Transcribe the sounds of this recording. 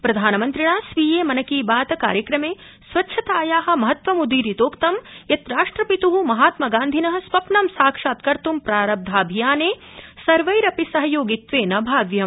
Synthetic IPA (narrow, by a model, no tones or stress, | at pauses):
pɾɐd̪ʱaːnɐmɐnt̪ɾiɳaːsʋiːjeːmɐnɐkiːbaːt̪ɐka̰ːɾjɐkɾɐmeː | sʋɐtːʃʰɐt̪aːjaːɦɐ̆mɐɦɐt̪ʋɐmud̪iːɾit̪oːkt̪ɐmjɐt̪ɾaːʂʈɾɐpit̪uɦumɐɦaːt̪mɐɡaːnd̪ʱinɐɦɐ̆sʋɐpnɐmsaːkʂaːt̪̚kɐɾt̪umpɾaːɾɐb̚d̪ʱaːbʱijaːneː | sɐɾʋɐjɾɐpisɐɦɐjoːɡit̪ʋeːnɐbʱaːʋjɐm